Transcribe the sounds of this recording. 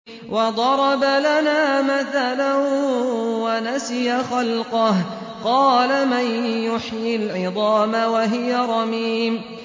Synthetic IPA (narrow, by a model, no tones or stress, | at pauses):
wɑd̪ˤɑɾˤɑbalanaːmaθalan | wanasɪjaxalqɑh | qɑːlamanjʊħjɪlʕɪd̪ˤɑːmawaɦɪjaɾˤɑmiːm